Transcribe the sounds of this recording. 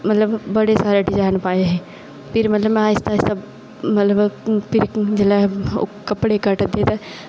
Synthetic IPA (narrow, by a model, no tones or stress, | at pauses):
mɐt̪ləbbɐɽesaːɾeʈid͡ʒaːnpaːeɦɛː | pɪɾmɐt̪ləbm̃aːɪst̪ast̪a | mɐt̪ləbpɪɾd͡ʒelao̰kɐpɽekɐʈd̪et̪a